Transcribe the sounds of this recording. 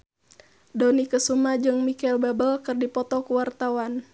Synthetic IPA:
dɔnikəsumad͡ʒɨŋmikaɛlbabəlkɨrdipɔt̪ɔkuwart̪awan

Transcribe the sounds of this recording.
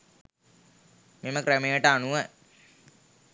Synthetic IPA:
meməkræmejəʈəanuʋə

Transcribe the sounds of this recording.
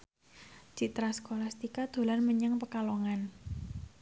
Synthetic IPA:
d͡ʒ̥it̪ɾasə̥kolast̪ikad̪̥o̤lanməɲəŋpəkaloŋan

